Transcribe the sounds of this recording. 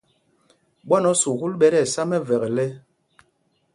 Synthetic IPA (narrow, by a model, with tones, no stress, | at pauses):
ɓwa˦nɔ˦su˨ɣu˦lɓɛ˦ɾɛ˦˨sa˦mɛ˦vɛ˨ɣɛ˨lɛ˦